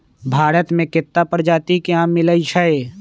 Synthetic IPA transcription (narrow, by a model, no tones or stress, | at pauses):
bʱaːɾət̪mẽkɪt̪ːapəɾd͡ʒaːt̪ikeãːmːɪləiʃʰəe